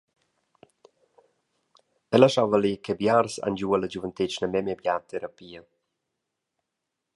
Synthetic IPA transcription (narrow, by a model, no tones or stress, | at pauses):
ɛlaʃavəlikebjaɾsa̰nd͡ʒuələd͡ʒuvənt̪ɪt͡ʃnəmɛmɛbjat̪ʰɛɾapiːə